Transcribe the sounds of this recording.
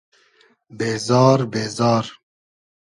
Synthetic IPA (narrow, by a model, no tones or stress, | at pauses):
beːzɑːɾbeːzɑːɾ